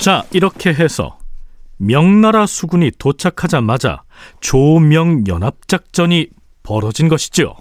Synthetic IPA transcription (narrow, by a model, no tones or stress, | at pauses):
t͡ɕaiɾʌkʰe̞ɦe̞sʰʌ̰mjʌŋnaɾasʰuɡuɲitot͡ɕʰakʰad͡ʑamad͡ʑa̰ | t͡ɕomjʌŋjʌ̰nap̚t͡ɕ͈ak̚t͡ɕ͈ʌɲi | pʌɾʌd͡ʑinɡʌɕʰi̥d͡ʑio̰